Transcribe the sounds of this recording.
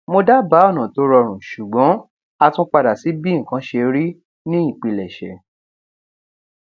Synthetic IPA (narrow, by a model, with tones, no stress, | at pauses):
mo˧da˦ba˨˦ɔ˦˨nã˨to˧˦ɾɔ˧ɾ̃ũ˨ʃu˨ɡ͡bɔ̃˨˦ | a˧tũ˦k͡pa˧da˨si˨˦bĩ˦˨kã˨˦ʃe˧ɾi˦ | nĩ˦ĩ˦˨k͡pi˨˧˨lɛ˨ʃɛ̰˨˦